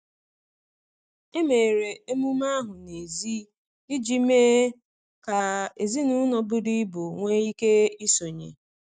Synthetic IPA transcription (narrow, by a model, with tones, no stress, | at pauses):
e˦me˨ɾe˨e˦mu˦ma˦ɦʊ˨ne˨zi˦ | i˦d͡ʒi˦meː˦ | ka˨e˨zi˦nu˦nɔ˨bʊ˦di˦bo˨ŋʷe˦i˦ke˦i˦so˨ɲḛ˨